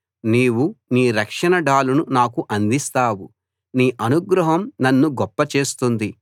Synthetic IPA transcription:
niːwuniːɾɐkʂɐnɐɖaːlununaːkuʔɐnd̪ist̪aːwu | niːʔɐnuɡɾɐɦɐmnɐnːuɡɔpːɐt͡ʃe̞ːst̪und̪i

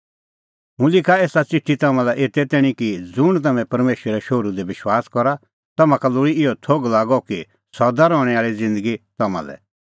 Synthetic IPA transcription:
ɦũlɪkaeːsat͡sɪʈʰːit̪ɐmãlɛʔeːt̪ɛt̪ɛːɽ̃ĩkid͡zʊɽ̃t̪̬ɐmɛ̃pɐɾmeːʃɾɛʃoɾud̪ɛbɪʃwaːskɔɾa | t̪ɐmãkalʊɽiɪjɔt̪ʰoɡlaːɡɔki | sɔd̪aɾɔːɽ̃ɛaːɭid͡zɪ̃nd̪əɡit̪ɐmã̰lɛ̰

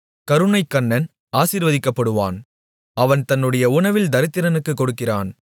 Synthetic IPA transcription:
kɐɾɯɳɐɪkːɐɳːɐn | aːsiɾʋɐðɪkːɐpːɐɽɯʋa̰ːn | ɐʋɐnt̪ɐnːɯɽɐjɐʊɳɐʋɪld̪ɐɾɪt̪ːɪɾɐnɯkːɯkːɔɽɯkːɪraːn

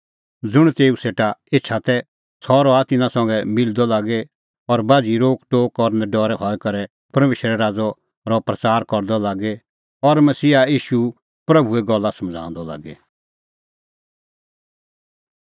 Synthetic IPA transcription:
d͡zʊɽ̃t̪eːuseːʈaeːt͡ʃʰat̪ɛ | sʰɔɾɔat̪ɪnãsɔ̃ŋɡɛmɪld̪ɔlaːɡe | ɔɾbaːd͡ʒiɾoːkʈoːkɔɾnɛɖɔːɾɛɦɔɛkɐɾɛ | pɐɾmeːʃəɾɛɾaːd͡zɔ | ɾɔpɾɐt͡saːɾkɔɾd̪ɔlaːɡe | ɔɾmɐsiːaiːʃu | pɾɐbʱuɛɡɔlːasɐ̃md͡zʱã̰ːnd̪ɔla̰ːɡe

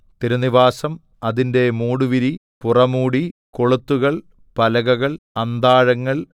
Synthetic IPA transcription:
t̪iɾɐniʋaːsɐm | ɐðinde̞muːɽuʋiɾi | purɐmuːɽiko̞ɭut̪ːuɣɐɭ | pɐlɐɣɐɣɐɭ | ɐnd̪aːɻɐŋːɐɭ

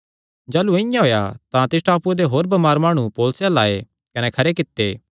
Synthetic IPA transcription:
d͡ʒaːluɪ̃jãɦoːja̰t̪ãt̪ɪs̬ʈaːpued̪eɦoːɾbɐmaːɾmaːɽ̃ũpoːlsjãlaːe | kɐnɛkʰɐɾekɪt̪ːeː

